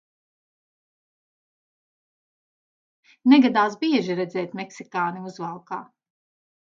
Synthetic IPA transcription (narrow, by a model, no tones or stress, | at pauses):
nɛɡad̪aːsbiɛʒiɾɛzɛːt̪mɛksikaːniuzvalˠkaː